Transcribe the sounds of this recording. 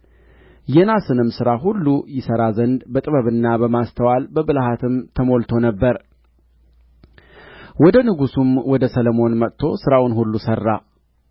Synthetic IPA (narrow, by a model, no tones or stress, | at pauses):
jɛnasɨnɨmsɨɾaɦulːujɪsəɾazənd̪bət̪ʼɨβəβɨnːabəmast̪ʰəwalbəβɨlhat̪ʰɨmt̪ʰəmo̞lt̪ʰo̞nəbːəɾ | wɔd̪ənɨɡusumwɔd̪əsələmo̞nmət̪t̪ʰo̞sɨɾawʊnɦulːusərːa̰